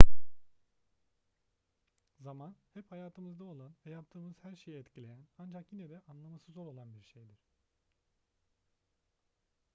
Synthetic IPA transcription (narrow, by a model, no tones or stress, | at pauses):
zamanhɛphajaːt̪ʰɯmɯzd̪ao̞lˠanvɛjap̚t̪ʰɯːmɯz̥hæɾʃe̞jiɛt̪cʰilʲe̞jænand͡ʒakjinɛd̪ɛʔanlˠamasɯzo̞ɾo̞lˠanbiɾʃejd̪iɾ̥